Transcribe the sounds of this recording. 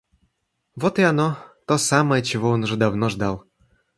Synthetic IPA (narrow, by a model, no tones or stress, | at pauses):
vot̪ianot̪osɑmət͡ɕɪvoonuʐɛd̪avnoʐd̪ɑlˠ